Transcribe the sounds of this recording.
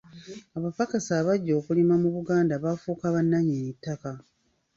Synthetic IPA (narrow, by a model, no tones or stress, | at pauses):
aβafakasaːβaɟːo̞ːkulimamuβuɡaːndaβafuːkaβanːaɲeːnitːaka